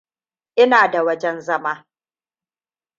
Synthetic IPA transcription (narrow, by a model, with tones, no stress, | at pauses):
ʔɪ˦naː˨da˨wɐ˦d͡ʒɛ˦nzɐ˦maː˦